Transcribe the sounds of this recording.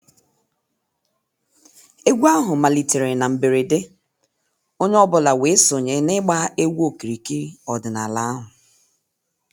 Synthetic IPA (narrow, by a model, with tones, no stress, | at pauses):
e˦ɡʷu˦a˦ɦʊ˨ma˨li˨te˨ɾe˨na˨m̩˨be˨ɾe˨de˦ | o˦ɲ˦ɔ˦bʊ˨la˨we˨˦so˨ɲe˨˦nɪ˦ɡ͡ba˦e˦wʷu˦o˦ki˨ɾi˨ki˦ɔ˨dʊ˨na˨la˦a˦ɦʊ˨